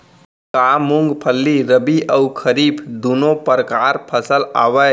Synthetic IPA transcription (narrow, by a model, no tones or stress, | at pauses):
kamuŋɡpʰəlːiɾəbiʔəwkʰəɾibd̪unopəɾəkaɾpʰəsəla̰ʋə